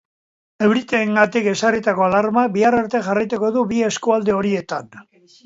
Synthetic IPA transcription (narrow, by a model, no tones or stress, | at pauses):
e̞wɾit̪eːŋɡat̪ike̞sarit̪ako̞alaɾmabiaraɾt̪e̞ʝarajt̪uko̞ðuβie̞skuald̪e̞o̞ɾie̞t̪an